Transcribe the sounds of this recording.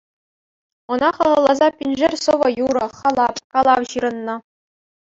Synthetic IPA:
ŏnɑχɤ̆ʁɤ̆lˠɑzɑpʲinʲʐɘrʲsɤ̆ʋɤ̆juɾɤ̆χɑlˠɑpkɑlˠɑwɕiɾɤ̆nːɤ̆

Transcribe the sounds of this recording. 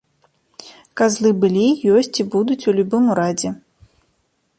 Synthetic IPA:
kazlˠɨbɨlʲijɔsʲt͡sʲibud̪ut͡sʲulʲubɨmuɾad͡zʲɛ

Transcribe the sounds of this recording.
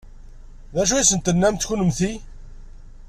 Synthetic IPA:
ðæʃ̬ujisənt̪ənːæmt̪çunəmθi

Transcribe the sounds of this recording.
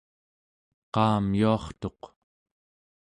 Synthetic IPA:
qɑːmjuɑχt̪o̞q

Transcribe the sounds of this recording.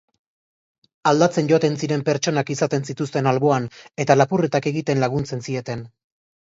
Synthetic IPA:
ald̪at͡se̞nʝo̞t̪e̞nsiɾe̞mpe̞ɾt͡ʃo̞nakisat̪e̞nsit̪us̬t̪e̞nalβo̞ane̞t̪alapuret̪ake̞ɣit̪e̞nlaɣ̞unt͡se̞nsie̞t̪e̞n

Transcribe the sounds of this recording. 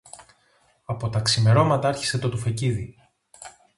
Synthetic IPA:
ɐpo̞t̪ɐksime̞ɾo̞mɐt̪ɐɐɾçi̥se̞t̪o̞t̪ufeciði

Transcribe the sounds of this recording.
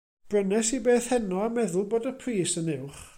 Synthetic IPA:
b̥rənɛsibeːθhɛnɔamɛðʊlˠboːdəpʰriːsənɪwχ

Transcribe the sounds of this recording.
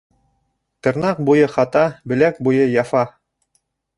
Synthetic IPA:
t̪ɤ̆ɾnɑq̚bujɤχɑt̪ɑbɘ̆læk̚bujɤjɑfɑ

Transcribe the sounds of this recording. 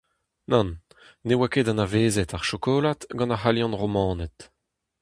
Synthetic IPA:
nɑ̃nː | ewaked̪ãnaveːzɛt̪aʁʃokoːlat̪ɡɑ̃naχaljɑ̃nʁomɑ̃ːnɛt̪

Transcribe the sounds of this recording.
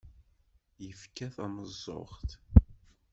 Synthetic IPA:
jəfkæθænəzˤːo̰χt̪

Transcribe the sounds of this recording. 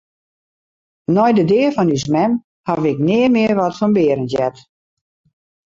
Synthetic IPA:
nɔjdədɪərfɔnysmɛn | havɪknɪəmɪərʋɔtfɔnbɪəɾənjɛt

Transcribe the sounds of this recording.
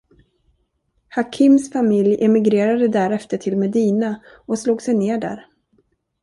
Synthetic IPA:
hakʰɪmsfamɪljʔɛmɪɡɾeːɾad̪əd̪æɾɛft̪əʈʰɪlmɛd̪iːna | ɔsluːɡsɛjneːɖæ̰ːɾ

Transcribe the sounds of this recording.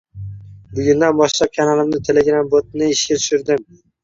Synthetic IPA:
bʊɡʲʊnd̪anbɒʃlap̚kʲʰanalˠɪmnɪt̪ʰe̞leɡɾambot̪̚nɪɪʃkʲat̪ʰʊ̥ʃʊɾd̪ɪm

